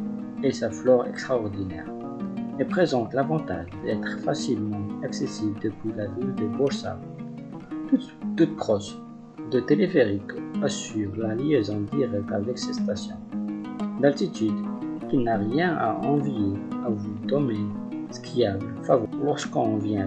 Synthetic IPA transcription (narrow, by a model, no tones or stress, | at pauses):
esaflɔʁɛ̰kst̪χaɔʁd̪inɛ̰ːʁ | ɛpχezɑ̃t̪lavɑ̃t̪aʒd̪ɛt̪χfasilmɑ̃aksesibld̪əpɥilavyld̪əbɔʁsa̰ | t̪u | t̪ut̪̚pχɔʃ | d̪ət̪elefeʁikasyʁlaliezɑ̃d̪iʁɛk̚t̪avɛksɛst̪asjɔ̰̃ | d̪alt̪it̪yd̪kinaʁjɛ̃aʔɑ̃vjeavud̪ɔmesə̥kʰʲiabfavɔlɔʁskɔ̃vjɛ̃